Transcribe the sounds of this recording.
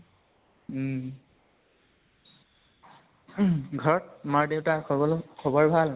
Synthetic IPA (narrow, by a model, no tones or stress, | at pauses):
ɡʱɔɹɔtamaɹdeʊtaɔlkʰɔbɔɹbʱal